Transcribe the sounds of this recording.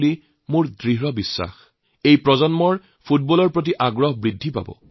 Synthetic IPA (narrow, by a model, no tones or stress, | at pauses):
li | mʊɹdɹiɦɹɔbisːa̰x | ejpɹɔzɔnmɔɹ | pʰut̚bɔlɔɹpɹot̬iʔaɡɹɔɦbɹidʱːipa̰bɔ̰